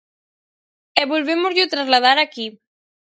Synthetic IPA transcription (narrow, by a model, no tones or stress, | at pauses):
ɛβolβemʊzʎʊt̪ɾazlað̞aɾaki